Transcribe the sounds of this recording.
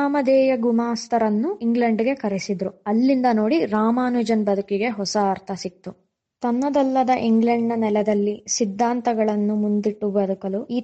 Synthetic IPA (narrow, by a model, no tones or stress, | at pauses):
aːmɐd̪ɛːjɐɡumaːst̪ʰɐɾɐnːuiŋɡɭɐɳɖɡe̞kɐɾesid̪ɾuɐlːind̪ɐno̞ːɽiɾaːmaːnud͡ʒɐnbɐd̪ʱukiɡe̞ɦɔsɐːɾt̪ʰɐsit̪ːu | t̪ɐnːɐd̪ɐlːɐd̪ɐʔiŋɡɭɐɳɖːɐnɛlɛd̪ɐlːisid̪ʱːaːnt̪ɐɡɐɭɐnːumund̪iʈːubɐd̪ukɐluiː